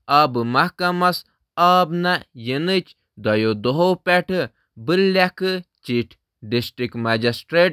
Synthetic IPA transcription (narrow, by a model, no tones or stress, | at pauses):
ɐbɨmɐhkɐmɐs | ɐːbnɐjinɨt͡ʃ | d̪ɐjod̪oɦopɛʈʰɨ | bɨlːakɨt͡ʃiʈʰ | ɖisʈɾikmɐd͡ʒisʈɾeːʈ̚